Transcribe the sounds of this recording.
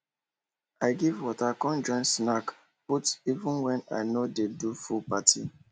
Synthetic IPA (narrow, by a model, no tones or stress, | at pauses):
aɪɡivwɔtakɔ̃nd͡ʒɔ̃ɪ̃nsnak | putivũnwɛ̃na̰ɪnodedufupatʰi